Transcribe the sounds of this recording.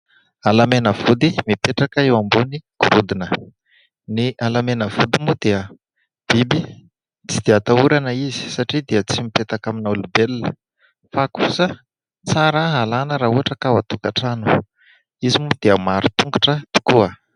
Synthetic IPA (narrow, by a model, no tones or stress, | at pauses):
alamenəv̥ud̪imipeʈ͡ʂakəewambuniɡ̥uɾud̪inə | neʔalamenəvud̪imud̪eə | b̥ibi | t͡sid̪eat̪auɾanəizi̥saʈ͡ʂid̪eət͡simipet̪akaminulubelːə | fakusə | t͡saɾəɦalanəɾaɦuɦaʈ͡ʂəkawat̪ukaʈ͡ʂanu̥ | izimud̪̥eəmaɾut̪uŋɡu̥ʈ͡ʂət̪u̥kuə